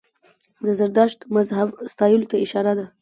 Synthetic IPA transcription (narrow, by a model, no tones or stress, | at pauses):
d̪əzaɾd̪ɑʃt̪mazɦabst̪ɑjulot̪aɪʃɑɾad̪a